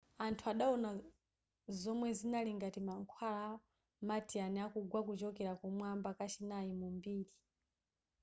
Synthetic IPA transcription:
antʰuaɗaɔna | zɔmwɛzinaliŋɡatimaŋkʰwala | matianiakuɡwakut͡ʃɔkɛɾakɔmwambakat͡ʃinaimumbiːɾi

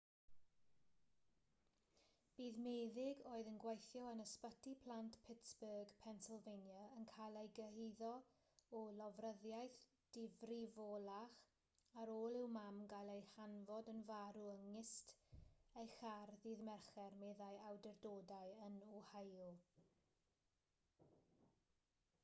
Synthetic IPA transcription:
b̥iːðmeːðɪɡoːɨðənɡwejθjɔənəspətʰipʰl̥ˠantpʰɪtsb̥əɡpʰɛnsəlˠvejnjaənkʰajlˠejɡəɦiðɔ | ɔlɔvrəðjajθ | d̥ɪvrivoːlˠaχ | aɾoːlˠɪwmamɡajlˠejhanvɔdənvaɾuəŋːɪstejχarðiːðmɛrχɛrmɛðajawdɛrdoːdaɨənuhajlˠ

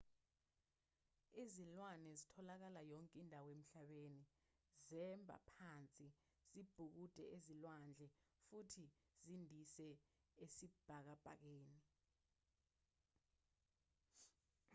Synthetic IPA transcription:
izilwanɛzitʰɔlak̬alajɔŋkʼindʱawem̩ɬaɓeni | zɛmbʱa̰pʰant͡sʼi | z̥ib̥ʱuk̬utʼɛ̰ʔezilwand͡ɮʱɛfutʰizindʱisɛesib̥ʱak̬ab̥ʱa̰k̬eːni

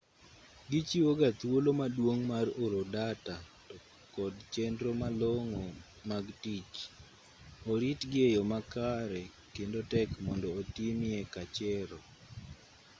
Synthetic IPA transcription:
ɡit͡ʃiwoɡat̪wolomadwoŋmaroɾodata | tɔ | kɔdt͡ʃɛndɾomaloŋo | maɡtit͡ʃ | oɾitɡejomakaɾɛ | kendotɛkmɔndɔːtimɪekat͡ʃɛɾɔ

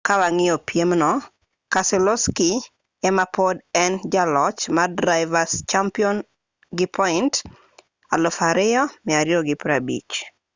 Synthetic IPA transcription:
kawaŋɪopjemnɔ | kasɛlɔski | ɛmapɔdɛnd͡ʒalɔt͡ʃmadɾaɪvast͡ʃampiɔn | ɡɪpʰɔɪnt | a̰lɔfaɾɪjɔmɪaɾjoɡɪpɾabḭt͡ʃ

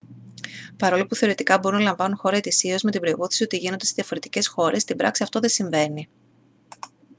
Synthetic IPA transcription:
pɐɾo̞lopuθe̞o̞ɾe̞t̪ikɐbo̞ɾunɐlɐɱvɐnunxo̞ɾɐe̞t̪isio̞zme̞t̪ibɾo̞ipoθi̥sio̞t̪iʝinond̪eeðijɐfo̞ɾe̞t̪ice̞sxo̞ɾe̞st̪ibɾɐksiɐft̪o̞ðe̞siɱve̞ni

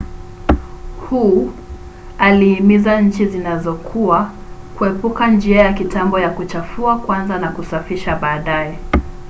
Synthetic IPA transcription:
hu | aliimizaɲ̩t͡ʃizinazɔkʰua | kuɛpukand͡ʒiajakitambɔjakut͡ʃafuakwanzanakusafiʃaɓaːɗaɛ

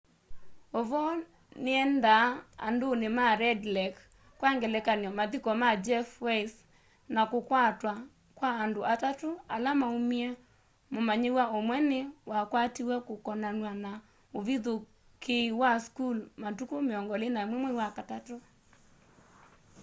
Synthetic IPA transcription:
oβɔ | neɛnda̰ːndonemaɾɛdlɛk | kwaŋɡɛlɛkanjɔmaðikɔmad͡ʒɛfwɛs | nakokwatwa | kwaːndoʔatatoalamaumiɛ | momaɲewaomwɛnewakwatiwɛkokɔnanwana | oβiðo | kʰeiwaskulmatukomeɔŋɡɔlenaemwemwoiwakatato

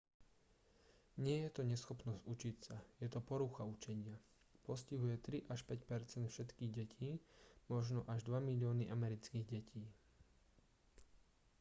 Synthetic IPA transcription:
ɲɪɛjɛt̪ɔɲɛsxɔpnɔzɟut͡ʃicsajɛt̪ɔpɔɾuxaut͡ʃɛɲɪa | pɔsciɦujɛt̪ɾiʔaʃpɛcpɛɾt͡sɛnt̪fʃɛt̪kiːɣɟɛcʰiːmɔʒnɔʔaʒd̪ʋamilɪɔniʔamɛɾit͡skiːɣɟɛcʰiː

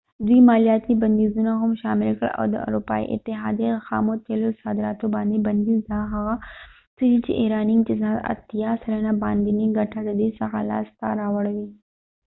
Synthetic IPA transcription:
d̪iːmaːlijaːt̪ibɐnd̪iːzunãɦʊmʃaːmɪlkɐ̰ɽʔɔ̰ːd̪ə̰ɐ̰ɾuːpa̰ːḭʔɪ̰t̪ːɪɦa̰ːd̪ixa̰ːmot̪ʰeːlosaːd̪ɪɾaːt̪obaːnd̪ibɐnd̪iːzd̪aːɦɐɣa | t̪ujit͡ʃḭʔeːɾaːnɪ̃ŋɡt͡ʃezat̪ɐ̰t̪ːijaːsɐlɐnabaːnd̪iniɡɐʈʰad̪ɐd̪iːsɐxa̰la̰ːst̪a̰ɾaːwɐɽʋiː

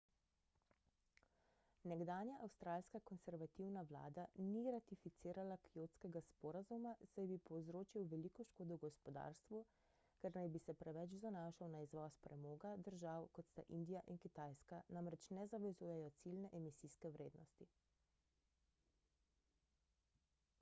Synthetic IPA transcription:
nɛɡd̪aːnjaʔawst̪ɾaːlskakɔnsɛɾʋat̪iwnaʋla̰ːd̪aniɾat̪ifit̪siːɾalakijot̪skɛɡaspɔɾazumasajbipɔwzɾoːt͡ʃiwʋɛlikɔʃkoːd̪ɔwɡɔspɔd̪a̰ːɾst̪ʋu | kɛɾnajbisɛpɾɛʋɛt͡ʃzanaːʃawnaizʋɔːspɾɛmoːɡad̪əɾʒawkɔt̪st̪a̰ʔind̪ijaʔinkit̪ajskanamɾɛt͡ʃnɛzaʋɛzuːjɛjɔt̪silnɛʔɛmisiskɛwɾeːd̪nɔst̪i

